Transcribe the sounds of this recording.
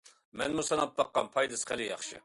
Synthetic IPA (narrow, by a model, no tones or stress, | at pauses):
mɛ̰nmusɑnɑp̪̚b̪ɑqːɑ̰npʰɑjd̪ɨsχʰælɪjɑ̰χʃɨ̰